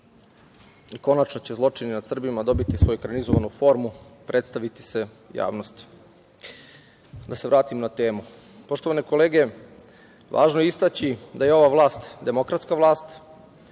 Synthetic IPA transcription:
iko̞nat͡ʃno̞t͡ɕezlˠo̞t͡ʂininad̪sr̩bimad̪o̞bit̪isʋo̞jukɾanizoʋanufo̞ɾmupɾʔet̪st̪aʋit̪i̥se | ja̰ːʋno̞st̪ | d̪aseʋɾaːt̪imnat̪e̞ːmu | po̞ʃt̪oʋaneko̞leːɡe | ʋa̰ːʒnojeist̪at͡ɕid̪ajeo̞ʋaʋlˠaːst̪d̪e̞mo̞kɾat̪skaʋlˠaːst̪

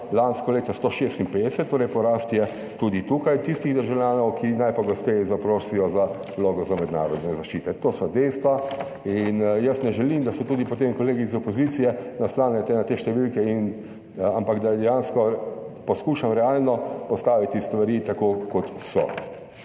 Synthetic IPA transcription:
lanskɔleːt̪ɔst̪oʃeːst̪inped̪ɛsɛt̪̚ːoːɾɛjpɔɾaːst̪jɛ | t̪ud̪it̪ukajt̪ist̪iɣd̪ɛʒawljaːnɔwkʰinajpɔɡɔst̪ɛjzapɾoːsijɔza | loːɡɔzamɛd̪na̰ːɾɔd̪nɛzaʃt͡ʃiːt̪ɛt̪oːsɔd̪ɛjst̪ʋa | injəst̪nɛʒɛlimd̪asɔt̪uːd̪ipɔt̪emkɔleːɡizɔpoziːt̪sijɛnaslaːnjɛt̪ɛnat̪eːʃt̪ɛʋilkɛin | ampakd̪ad̪ɛjanskɔpɔskuːʃamɾɛaːlnɔpɔst̪aːʋit̪ist̪ʋaɾit̪akokɔt̪sɔ̰

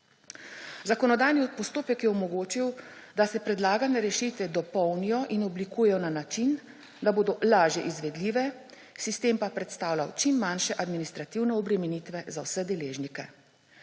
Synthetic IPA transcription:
zakɔnɔd̪aːjnipɔst̪oːpɛkjɛɔmɔɡoːt͡ʃiw | d̪asɛpɾɛd̪laːɡanɛɾɛʃit̪ʋɛd̪ɔpɔwnijɔʔinɔblikuːjɛjɔnanat͡ʃin | d̪aboːd̪ɔlaːʒjɛʔizʋɛd̪liːʋɛ | sist̪eːmpapɾɛt̪st̪aːwla̰wt͡ʃimːanʃɛʔad̪minist̪ɾat̪iwnɛɔbɾɛmɛnit̪ʋɛzawsɛd̪ɛleːʒnikɛ

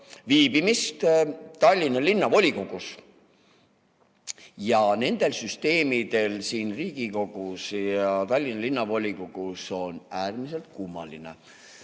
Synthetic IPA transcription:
viːbimist̪t̪ɑlʲːinːɑlinːɑvo̞lʲikoɡ̥us | jɑne̞nd̪̥e̞lsyst̪e̞ːmid̪̥e̞lsiːnriːɡ̥iko̞ɡ̥usjɑt̪ɑlʲːinɑlinːɑvo̞lʲikoɡ̥uso̞næːrmise̞lt̪̚kumːɑ̰line̞̰

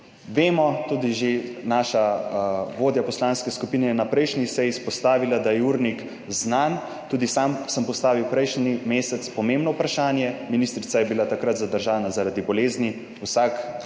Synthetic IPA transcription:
ʋeːmɔt̪uːd̪iʒenaːʃa | ʋoːd̪japɔslaːnskɛskupiːnɛjɛnapɾɛjʃnisɛjispɔst̪aːʋilad̪ajɛuɾnik | znan | t̪uːd̪isamsəmpɔst̪aːʋiwpɾɛjʃnimeːsɛt̪spɔmẽmbnɔwpɾaʃaːnjɛminiːst̪ɾit̪sajɛbilat̪akɾat̪zad̪əɾʒaːnazaɾad̪ibɔleːzni | usak

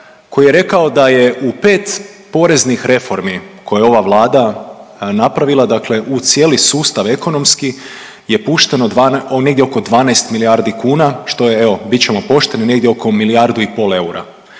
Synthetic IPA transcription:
ko̞jije̞ɾe̞kaod̪aje̞ʔupe̞ːt̪ | po̞ɾe̞znixɾe̞fo̞ɾmiko̞jeo̞ʋaʋlˠaːd̪a | napɾaʋilˠad̪akle̞ʔut̪sje̞lisuːst̪aʋe̞ko̞no̞mski | je̞puʃt̪e̞noaneɡd̪jeo̞ko̞d̪ʋaːnaest̪miliaɾd̪ikuːnaʃt̪o̞jeeʋo̞bit̪t͡ɕe̞mopo̞ʃt̪e̞nine̞ɡd̪jeo̞ko̞milijaɾd̪uipo̞ːle̞uɾa̰

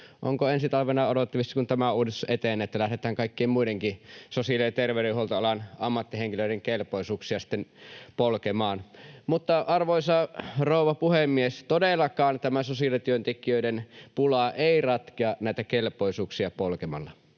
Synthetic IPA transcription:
ʔo̰ŋkoensit̪ɑlʋenɑodot̪ːiʋisːɑkunt̪æmæuːdist̪u̥sʔet̪eˑnːˑet̪ːælæhɾet̪æːŋkɑikːeːmmuideŋkisosiɑljt̪erʋeˑyɾeuholt̪ɑɑlɑnɑmːɑt̪ːiheŋkiløˑiɾeŋkelpoisuːksiɑsi̥t̪ːenpolkemɑːnmut̪ːɑɑrʋoˑisɑroˑuʋɑpuhemːiest̪odelːˑɑkɑːnt̪æmæsosiɑlit̪yønt̪ekiøidenpulɑʔeˑirɑt̪keɑnæˑit̪ækelpoisuːksiɑpolkemɑlːɑ

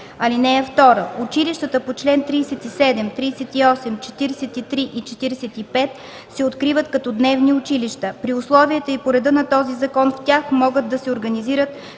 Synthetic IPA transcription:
ɐlinɛːft̪ɔɾəʔʊt͡ʃiliʃt̪ət̪əpot͡ʃlɛnt̪ɾijsɛt̪isɛd̪ɛmt̪ɾiːsɛt̪iɔsɛmt͡ʃɛ̥t̪iɾɛsɛt̪it̪ɾiʔit͡ʃɛt̪iɾɛsɛt̪ipɛt̪ | sɛot̪kɾivət̪kɐt̪ɔd̪nɛvniʊt͡ʃiliʃt̪əpɾiʊslˠɔviɛt̪əipoɾɛd̪ɤnɐt̪ɔzizɐkɔnftʲaxmɔɡəd̪d̪ɐsɛoɾɡɐniziɾət̪

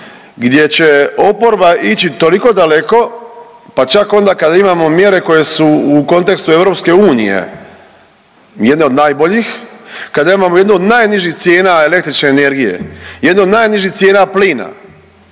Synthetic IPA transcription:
ɡd̪je̞t͡ɕe̞o̞po̞ɾbaʔit͡ɕit̪o̞liko̞d̪ale̞ko̞ | pat͡ʃako̞nd̪akad̪aimamo̞mje̞ɾe̞ko̞je̞suuko̞nt̪e̞kst̪ue̞vɾo̞pske̞uːnḭjḛ | jed̪neo̞d̪naːjbo̞ʎixkad̪aimamojed̪nuod̪naːjniʒit̪sje̞ːnaele̞k̚t̪ɾit͡ʃneːne̞ɾɡije̞̰jed̪neo̞d̪naːjniʒiht̪sje̞ːnapliːna̰

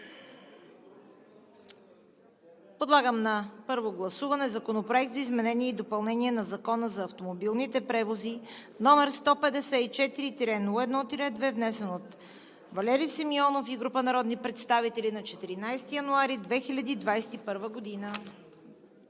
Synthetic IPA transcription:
pod̪lˠaɡəmnɐpɤɾvoɡlˠɐsuvɐnɛzɐkonopɾoɛk̚t̪zɐizmɛnɛniɛid̪opɐlˠnɛniɛnɐzɐkɔnəzɐːft̪omobilˠnit̪ɛpɾɛvozi | nɔmɛɾst̪ɔpɛd̪ɛsɛit͡ʃɛt̪iɾit̪iɾɛnoɛd̪nɔt̪iɾɛd̪vɛvnɛsɛnot̪ | vɐlɛɾisimiɔnofiɡɾupənɐɾɔd̪nipɾɛt̪st̪avit̪ɛlinɐt͡ʃɛt̪iɾinajst̪ijɐnuaɾid̪vɛxilʲɐd̪iːd̪vajsɛ̥t̪ipɤɾvəɡod̪inə

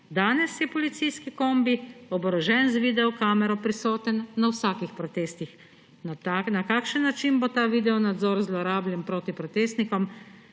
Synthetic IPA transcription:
d̪aːnɛsjɛpɔlit̪sijskikoːmbiɔbɾɔʒɛnzʋid̪ɛɔkaːmɛɾɔpɾisoːt̪ənːawsaːkixpɾɔt̪eːst̪ix | nt̪anakaːkʃənːat͡ʃinbot̪aːʋiːd̪ɛɔnad̪zɔːɾzlɔɾaːblʲjɛnpɾoːt̪ipɾɔt̪eːst̪nikɔm

